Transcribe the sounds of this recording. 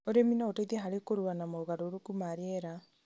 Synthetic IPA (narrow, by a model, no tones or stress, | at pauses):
oɾeminaotaiðɛɦaɾekoɾuanamoɣaɾoɾokumaɾeɛɾa